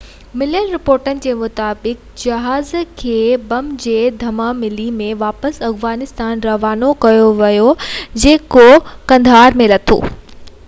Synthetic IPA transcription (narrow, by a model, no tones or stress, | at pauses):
mɪljəlɾɪpoːɾʈənɪ̆d͡ʑeːmʊt̪aːbɪk̚ | d͡ʑɐɦaːzkʰeːbɐmd͡ʑeːd̪ʱɐmamɪlimẽʋaːpəsɐfʋaːnɪst̪aːnɾɐʋaːnokɐjoʋɐjod͡ʑeːkokɐ̃nd̪ʱaːɾmẽlɐt̪ʰo̰ː